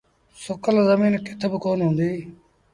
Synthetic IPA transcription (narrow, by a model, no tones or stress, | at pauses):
sʊkəlzəmiːnkɪt̪ʰbəkoːnɦʊ̃ːnd̪iː